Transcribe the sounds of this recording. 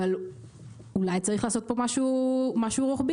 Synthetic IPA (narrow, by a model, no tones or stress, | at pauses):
val | ulajt͡saʁiχlaːso̞t̪̚po̞maʃumaʃuʁoχbi